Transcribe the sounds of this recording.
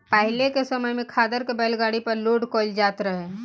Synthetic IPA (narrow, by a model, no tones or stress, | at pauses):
pəɦɪlekesəməjmẽkʰaːd̪əɾkebɛːlɡaːɽipɐɾloːɖkɔːld͡ʒaːt̪ɾəɦeː